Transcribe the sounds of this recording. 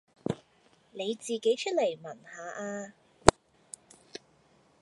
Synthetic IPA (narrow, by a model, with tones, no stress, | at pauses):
ne˨˧jt͡siː˨ke˨˥jt͡ʃʰɵ˥t̚le˨˩jmɐ˨˩nhaː˨˧ʔaː˧